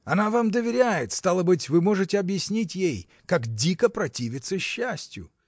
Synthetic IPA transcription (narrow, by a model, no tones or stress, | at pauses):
ɐnavamd̪əvʲɪɾʲæjɪt̪st̪alˠəbɨtʲvɨmo̞ʐɨtʲɪɐbjɪsʲnʲitʲjej | kakdʲikəpɾɐtʲivʲɪt̪səɕːæsʲtʲjʊ̰